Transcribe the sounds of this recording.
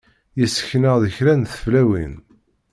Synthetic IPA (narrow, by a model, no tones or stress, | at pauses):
jəsːə̥çnəʁðəçɾænθə̥flæwḭn